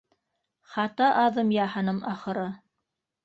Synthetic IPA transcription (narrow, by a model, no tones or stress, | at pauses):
χɑt̪ɑʔɑðɤmjɑhɑnɤmɑχɤ̆ɾɤ